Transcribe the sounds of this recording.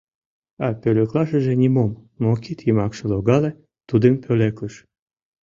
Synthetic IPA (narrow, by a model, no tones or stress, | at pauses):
ɑpʲøløklɑʃəʒĕnʲimomːokit̪jəmɑkʃə̆loɣɑle | t̪ud̪əmpʰʲølekəʃ